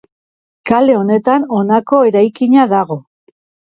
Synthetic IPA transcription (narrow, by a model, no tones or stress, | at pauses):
kale̞o̞ne̞t̪ano̞nako̞e̞ɾajkiɲaðaɣ̞o̞